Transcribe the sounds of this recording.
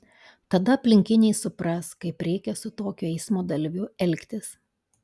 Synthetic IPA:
t̪ɐd̪ɐɐpʲlʲɪŋʲkʲɪnʲɛɪsʊpɾɐskɐɪpɾʲɛɪkʲɛsʊt̪oːkʲʊɛɪsmoːd̪ɐlʲʋʲʊɛlʲkʲt̪ʲɪs

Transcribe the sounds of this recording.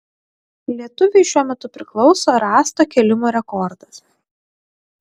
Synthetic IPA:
lʲiɛt̪ʊʋʲɛɪʃʲuɔmʲɛt̪ʊpʲɾʲɪklˠɒʊsoːɾɑːst̪oːkʲɛlʲɪmoːɾʲɛkɔɾd̪ɐs

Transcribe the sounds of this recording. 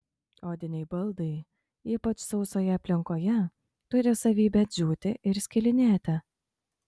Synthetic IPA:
oːd̪ʲɪnʲɛɪbɐlˠd̪ɐɪ | iːpɐt͡ʃsɒʊsoːjɛɐpʲlʲɪŋkoːjɛ | t̪ʊɾʲɪsɐʋʲiːbʲɛt̪ʲzʲuːt̪ʲɪʔɪɾsʲkʲɪlʲɪnʲeːt̪ʲɪ

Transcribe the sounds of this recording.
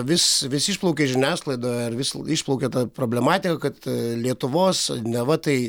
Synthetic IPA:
ʋʲɪsʋʲɪsɪːʃplˠɔʊkʲeːʒʲɪnʲæːsklˠɐɪd̪oːjɐrʋʲɪsiʃplˠɔʊkʲeːt̪ɐpɾoːbʲlʲɛmɑːt̪ʲɪkɐkɐt̪lʲiɛt̪ʊʋoːsnʲɛʋɐt̪ɐɪ

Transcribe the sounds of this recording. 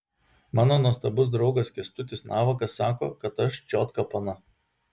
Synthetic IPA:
mɑːnoːnuɔst̪ɐbʊs̬d̪ɾɒʊɡɐskʲɛst̪ʊt̪ʲɪsnɑːʋɐkɐsːɑːko̰ːkɐt̪ɐʃt͡ʃʲɔːt̪kɐpɐnɐ

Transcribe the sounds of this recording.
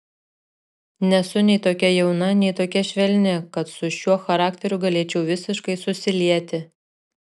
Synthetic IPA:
nʲɛsʊnʲɛɪt̪oːkʲɛjɛʊnɐnʲɛɪt̪oːkʲɛʃʲʋʲɛlʲnʲɪkɐt̪sʊʃʲuɔxɐɾɑːkʲt̪ʲɛɾʲʊɡɐlʲeːt͡ʃʲɛʊʋʲɪsʲɪʃkɐɪsʊsʲɪlʲiɛt̪ʲɪ

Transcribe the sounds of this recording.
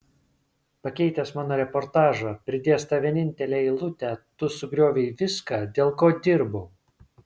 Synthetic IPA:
pɐkʲɛɪt̪ʲɛsmɑːnoːɾʲɛpɔɾt̪ɑːʒɑpʲɾʲɪd̪ʲeːst̪ɐʋʲiɛnʲɪnʲt̪ʲɛlʲeːɪlˠʊt̪ʲɛt̪ʊsʊɡɾʲoːʋʲɛɪʋʲɪskɑːd̪ʲeːlˠkoːd̪ʲɪɾbʊ

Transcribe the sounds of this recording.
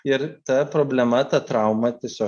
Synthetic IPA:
ɪɾt̪ɐpɾoːbʲlʲɛmɐt̪ɐt̪ɾɐʊmɐt̪ʲiɛsʲoː

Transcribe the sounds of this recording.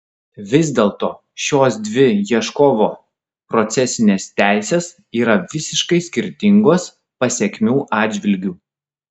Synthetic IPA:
ʋʲɪzʲd̪ʲeːlˠt̪oː | ʃʲoːsd̪ʲʋʲɪjiɛʃkoːʋoː | pɾɔt̪sʲɛsʲɪnʲeːst̪ʲæˑɪsʲeːs | iːɾɐʋʲɪsʲɪʃkɐɪsʲkʲɪɾʲt̪ʲɪŋɡoːs | pɐsʲɛkʲmʲuːʔɑːd̪ʲd͡ʒʲʋʲɪlʲɡʲuː

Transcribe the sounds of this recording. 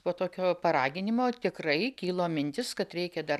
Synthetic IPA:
poːt̪oːkʲoːpɐɾɑːɡʲɪnʲɪmoːt̪ʲɪkrɐɪkʲiːlˠoːmʲɪnʲt̪ʲɪskɐt̪ɾʲɛɪkʲɛd̪ɐ

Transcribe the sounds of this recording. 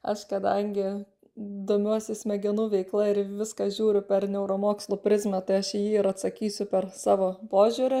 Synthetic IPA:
ɐʃkɐd̪ɐŋʲɡʲɪ | d̪oːmʲuɔsʲɪsʲmʲɛɡʲɪnuʋʲɛɪklˠɐɪɾʋʲɪskɐʒʲuːɾʲʊpʲɛɾnʲɛʊɾoːmoːkslˠʊːpʲɾʲɪzʲmʲɛt̪ɐɪɐʃɪjiːɪɾɐt̪sɐkʲiːsʲʊpʲɛɾsɑːʋoːpoːʒʲʊɾʲʊ

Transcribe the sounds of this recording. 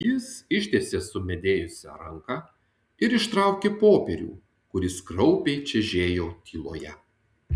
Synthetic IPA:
jɪsɪʃʲt̪ʲeːsʲeːsʊmʲɛd̪ʲeːjʊsʲɛ̰ɾɐŋkɑː | ɪɾɪʃt̪ɾɐˑʊkʲeːpoːpʲɛɾʲṵː | kʊɾʲɪskɾɔʊpʲeɪt͡ʃʲɛʒʲeːjoːk̪ʲʰiːlˠo̰ːjɛ

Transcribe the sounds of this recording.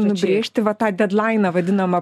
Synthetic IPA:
nʊbʲɾʲeːʃʲt̪ʲɪʋɐt̪ɑːd̪ʲɛd̪lˠaɪnɐʋɐd̪ʲɪnɐmɐ

